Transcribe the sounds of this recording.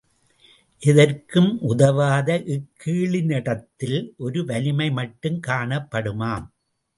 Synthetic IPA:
ʔɪðɐrkɯmʔʊðɐʋaːðɐʔɪkʰːiːɭɪnɪɽɐt̪ːɪlʔɔɾɯʋɐlɪmɐɪmɐʈːɯmkaːɳɐpːɐɽɯmaːm

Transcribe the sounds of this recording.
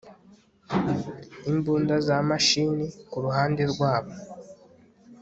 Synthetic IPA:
imbuːndazamaʃinikuɾuɦaːndeɾɡwaːβo

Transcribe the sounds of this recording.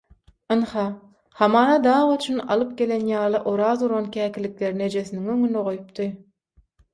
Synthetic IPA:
ɯnhɑ | hɑmɑːɾɑd̪ɑːʁot͡ʃʰynɑ̰lˠɯp̚ɡʲe̞lenjɑːlˠɯʔoɾɑːzuɾonkʲʰæːkʲilːikleɾine̞d͡ʒesiniŋøŋynd̪eʁojup̚t̪ʰɯ

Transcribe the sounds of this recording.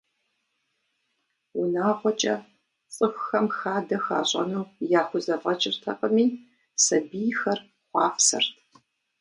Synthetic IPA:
wʊnaːʁʷɔt͡ʃʼɐ | t͡sʼɨxʷxɐmxaːdɐxa̰ːɕʼɐ̰nuwjaːxʷʊzɐvʼɐt͡ʃʼɪrtʰɐqʼəmiː | sɐbijxɐr | χʷɑːfsɐ̰rtʰ

